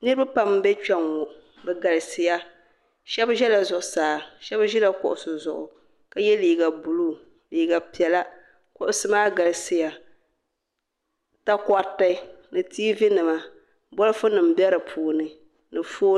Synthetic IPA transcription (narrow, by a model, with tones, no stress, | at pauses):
nɨ˦ɾɨ˦ba˦pa˨m˦bɛ˦t͡ʃɛ˨ŋɔ˨ | bɛ˨ɡa˨lɨ˨sɪ˦ja˦ | ʃɛ˦bʒɛ˦la˨zʊ˨ʔʊ˨saː˨ʃɛ˦bʒɛ˦la˨kʊ̰˨ʔʊ˨sʊ˨zʊ˨ʔʊ̰˨ | ka˨jɛ˦liː˨ɡa˨bu˨lu˦ | liː˨ɡa˨pi˨ɛ˨la˦ | kʊ˨ʔʊ˨sɨ˦maː˦ɡa˨lɨ˨sɪ˦ja˨ | ta˦ka˦tːa˦nɨ˨tiː˦vi˦nɨ˨ma˨ | bɔ˦lɨ˦fʊ˦nɨ˨m̩˦bjɛ˦ɾɨ˨pʰuː˨nɨ˨ | nɨ˨foː˦